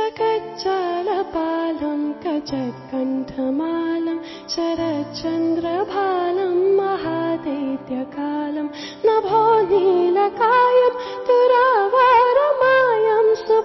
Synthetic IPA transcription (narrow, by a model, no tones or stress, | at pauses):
ɐkɐt͡ʃɐlɐpaːlɐmkɐt͡ʃɐkɐɳʈʰɐmaːlɐm | t͡ʃɐɾɐt͡ʃɐnd̪ɾɐbʱaːlɐmːɐɦaːd̪ɐt̪jɐkaːlɐm | nɐbʱɔːnilɐkaːjɐmt̪uɾaʋaːɾɐmaːjɐmsu